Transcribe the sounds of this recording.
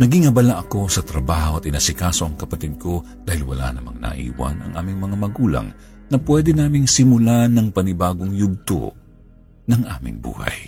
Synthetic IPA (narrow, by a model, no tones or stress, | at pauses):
nɐɡɪŋɐbɐlaʔɐko̞sɐt̪ɾɐbaːhoʔɐt̪̚ʔɪnasɪkaso̞ʔɐŋkɐpɐt̪id̪̚kʰo̞ | d̪aːhɪlwɐ̰la̰nɐma̰ŋnɐ̰ʔḭːwɐ̰nɐ̰ŋʔa̰ːmɪŋmɐŋamɐɡuːlɐ̰ŋ | nɐpwɛd̪ɛnaːmɪŋsɪmʊlanɐŋpɐnɪbaːɡoŋjʊɡ̚t̪o̰ | nɐŋʔa̰ːmɪ̰ŋbṵːha̰j